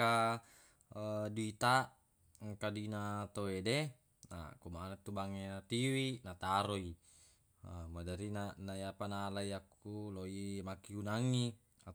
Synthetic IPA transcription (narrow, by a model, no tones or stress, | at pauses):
a | diit̪a | kadinat̪oede | na̰kumanat̪ːubaŋenat̪iwinat̪aɾoi | madaɾinanaiapanaːlaiakːuloimakiunaŋːi | a